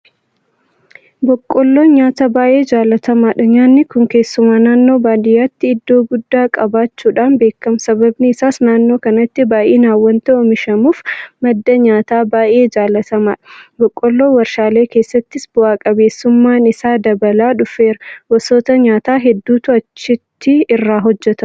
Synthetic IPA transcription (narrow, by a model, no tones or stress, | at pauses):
bɔkʼːɔlːoːɲaːt̪ɐbaːʔe̞ːd͡ʒaːlːɐt̪ɐmaːᶑɐɲaːnːɪkʊŋke̞ːsːʊmaːnaːnːoːbaːd̪ɪjaːt̪ːɪːd̪ːo̞ːɡʊd̪ːaːkʼɐbaːt͡ʃːuːᶑaːnbe̞ːkːɐmsɐbɐbnɪɪsaːsnaːnːo̞ːkɐnɐt̪ːɪbaːʔeːnaːwːɐnt̪ɛɔmɪʃɐmuːfmɐd̪ːɐɲaːt̪aːbaːʔe̞ːd͡ʒaːlːɐt̪ɐmaːᶑɐbɔkʼːɔlːoːwɐɾʃaːle̞ːke̞ːsːɐt̪ːɪsbʊaːkʼɐbe̞ːsːʊmːaːnɪsaːd̪ɐbɐlaːᶑʊfeːɾɐwɐsoːt̪ɐɲaːt̪aːɦɛd̪ːuːt̪ʊɐt͡ʃːɪt̪ʰːɪɪrːaːɦɔd͡ʒːɛt̪ɐ